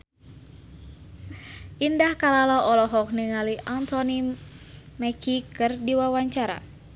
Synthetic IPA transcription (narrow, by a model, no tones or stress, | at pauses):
ʔindahkalalɔʔɔlɔɦɔk̚niŋaliʔant̪ɔni | mɛkʰikɨrdiwawaɲt͡ʃaɾa̰